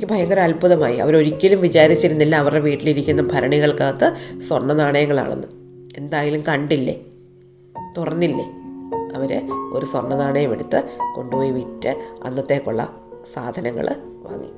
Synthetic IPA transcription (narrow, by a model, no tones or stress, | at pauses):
kːɨbʱɐjɐŋɡɐɾɐɐlbuðɐma̰ːjiɐ̰ʋɐɾo̞ɾikʲːɐlumʋit͡ɕaːɾit͡ɕːiɾunːilːɐːʋɐreʋiːʈːiliɾikʲːunːɐbʱɐɾɐɳiɣɐɭkaːt̪ːɨswɐrɳːɐnaːɳɐjɐŋːɐɭa̰ːɳenːɨ | e̞nd̪aːjilumkɐɳɖilːe | t̪urɐnːilːeɐʋɐɾɨoɾuswɐrɳːɐnaːɳɐjɐmeɽut̪ːɨko̞̰ɳɖupo̞ːjiʋitːɨɐ̰nːɐt̪ːe̞ːkːoɭːɐ̰ | saːd̪ʱɐnɐŋːɐ̰ɭ | ʋa̰ːŋːḭ